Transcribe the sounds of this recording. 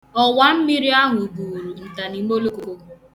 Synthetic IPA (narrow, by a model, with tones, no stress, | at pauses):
ɔ˨wa˨m̩˦mi˦ɾi˦a˦ɦʊ˨buː˨ɾu˨n̩˨ta˨ni˨˦mo˦lo˦ko˦ko˦